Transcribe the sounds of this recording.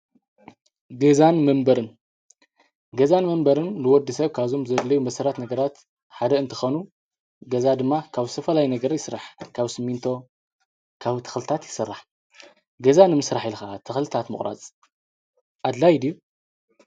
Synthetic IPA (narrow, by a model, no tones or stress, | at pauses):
ɡɐzanmɐmbɐɾɨn | ɡɐzanmɐmbɐɾɨnlɨwɔd̪ːisɐβkʰazo̞mzɐlːɐjumɐsɐɾat̪nɐɡɐɾat̪ | ħad̪ɐɨnt̪ʰɨ̥xonu | ɡɐzad̪ɨmːakʰaβɨst̪ʰɐfɐlajinɐɡɐɾjɪsɾa̰ħkʰaβsɨmːint̪ʰo̞ | kʰaβt̪ʰɐ̥xlɨt̪ʰat̪jɪ̥sɨrːaħ | ɡɐzanɨmɨsɾaħilxat̪ʰɨxlɨt̪ʰat̪mɨχʼɾa̰t͡sʼ | ʔad̪lajd̪ijːu